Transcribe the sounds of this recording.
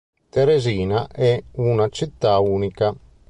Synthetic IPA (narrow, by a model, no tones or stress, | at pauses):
t̪eɾeziːnaʔɛunat͡ʃit̪ːauːnika